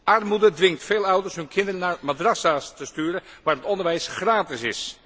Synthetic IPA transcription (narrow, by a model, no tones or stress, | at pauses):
ʔɑrmudədʋɪŋtfeːlˠʌwdəɹsɦɵnkʰɪndərənaːɹmadrɑsastəstyːɾənʋaːɹətɔndəɹʋɛjsχraːtɪsɪs